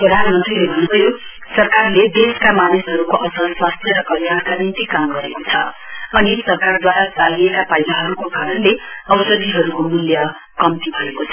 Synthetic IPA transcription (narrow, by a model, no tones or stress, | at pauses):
prʌd̪ʱanʌmʌnt̪rilebʱʌnbʌjo | sʌrkarled̪eskamanisɦʌɾukoʔʌsʌlswast̪ʰjʌɾʌkʌljankanint̪ikamɡʌɾekot͡sʰʌ | ʌnisʌrkard̪waɾat͡saliekapajnaɦʌɾukokaɾʌnleʌwsʌd̪iɦʌɾukomuljʌ | kʌmt̪ibʱʌekot͡sʰʌ